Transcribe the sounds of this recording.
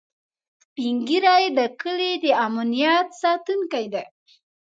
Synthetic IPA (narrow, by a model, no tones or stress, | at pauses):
piŋɡiɾajd̪əkəled̪əamanijat̪sɑt̪unkajd̪a